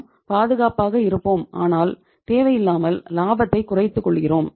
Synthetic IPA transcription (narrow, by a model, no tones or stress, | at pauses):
paːðɯɣaːpaːɣɐɪɾɯpːoːmʔa̰ːnaːl | t̪eːʋɐjɪlːaːmɐllaːbɐt̪ːɐɪkːʊrɐɪt̪ːɯkːɔɭːɣɪroːm